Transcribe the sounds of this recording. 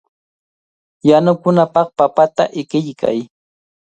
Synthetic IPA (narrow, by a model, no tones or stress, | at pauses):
janʊkʊnapɑχpapat̪aʔɪkɪʎkʰa̰j